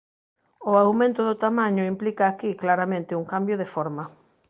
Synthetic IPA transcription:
ʊawmẽnt̪ʊðʊt̪amaɲʊimplikaːkiklaɾamẽnt̪ɪuŋkambjoðefɔɾmɐ

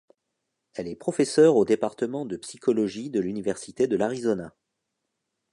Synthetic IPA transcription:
ɛlɛpχɔfɛsœʁod̪epaʁt̪əmɑ̃d̪əpsikʰɔlɔʒid̪əlynivɛʁsit̪ed̪əlaʁizɔna

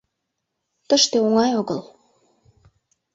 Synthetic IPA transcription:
t̪əʃt̪eoŋɑjoɣɤl

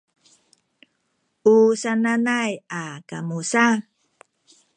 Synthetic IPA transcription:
ʔusananajakamusa

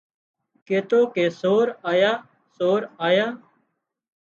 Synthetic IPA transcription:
keːt̪oːkeːsoːɾaːjaː | soːɾaːjaː

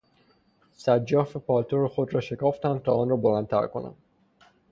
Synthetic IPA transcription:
sædd͡ʒːɒːfepʰɒːlt̪ʰoɾexod̪ɾɒːʃe̞kʰɒːft̪ænt̪ʰɒːɒːnɾɒːbolænt̪ʰæ̰ɾko̰næ̰m

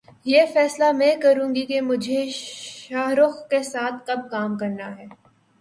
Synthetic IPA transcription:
jeːfɛːslamɛ̃kɐɾũːŋɡikemʊd͡ʒʱeʃaːɦɾʊxkesaːt̪ʰkɐb̚kaːmkɐɾnaɦɛː

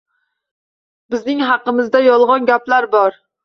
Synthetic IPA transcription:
bɪznɪŋɦɑqːəmɪzd̪ɛjɒlˠʁɑnɡʲæplaɾbɒɾ

